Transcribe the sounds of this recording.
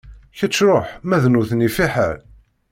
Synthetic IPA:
çət͡sːɾˤoħmæðnuθnifiħə̰ɾ

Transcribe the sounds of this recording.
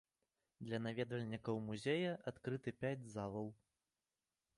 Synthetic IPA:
d̪lʲɐnavʲɛd̪vɐlʲnʲikɐwmuzʲejɐʔat̪kɾɨt̪ɨpʲad͡zʲzavɐw

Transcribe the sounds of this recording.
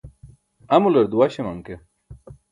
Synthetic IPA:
ɐmulɐɾd̪uwaɕemɐŋke

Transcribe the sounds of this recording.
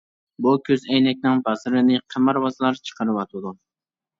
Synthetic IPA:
bukʲʰøzɛjnɛk̚ʲnɪŋbɑsɾɪnɪqʰəmɑɾwɑzɨlˠɑɾt͡ʃʰə̥qəɾɨwɑt̪ʰɨd̪u

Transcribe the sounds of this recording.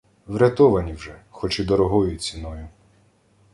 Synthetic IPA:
ʋɾʲɐt̪ɔʋɐnʲiwʒɛxɔt͡ʃid̪ɔɾɔɦɔjʊt͡sʲinɔjʊ

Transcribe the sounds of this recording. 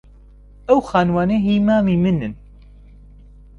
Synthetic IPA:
ɛwxaːnwaːneɦiːmaːmiːmɨnɨn

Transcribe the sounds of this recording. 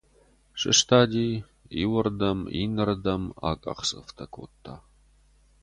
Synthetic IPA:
ɕʼɨ̰ʂt̪ʰaːd̪iː | iwɐrdɐmḭnɐrdɐma̰ːkʼɐ̰qsʼɨ̰ft̪ʰɐkʷʰo̰ːt̪ʰːaː

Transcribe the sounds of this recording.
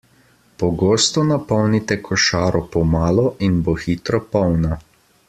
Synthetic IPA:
pɔɡoːst̪ɔnapɔwnit̪ɛkʰɔʃaːɾɔpɔmaːlɔʔinboxiːt̪ɾɔpɔwna

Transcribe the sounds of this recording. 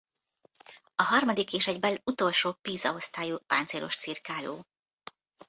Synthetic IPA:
ɒɦɒrmɒd̪ikːeːʃɛɟbɛlut̪o̞lʃoːpiːzɒost̪aːjupa̰ːnt̪seːɾʔo̞̰ʃt̪sirkaːlo̰ː

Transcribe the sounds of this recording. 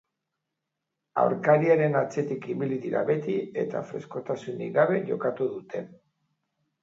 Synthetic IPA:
a̰wɾkaɾiaɾe̞nat͡se̞t̪ikiβiliðiɾa̰βe̞t̪ie̞t̪a̰fɾe̞sko̞t̪asuniɡaβe̞ʝo̞̰kat̪uðut̪e̞

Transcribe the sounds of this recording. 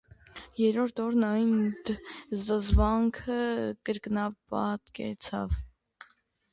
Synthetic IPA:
jɛɾɔɾt̪ʰɔɾnɑjnd̪zəzvɑŋkʰəkəɾknɑpɑt̪kɛ̰t͡sʰɑ̰v

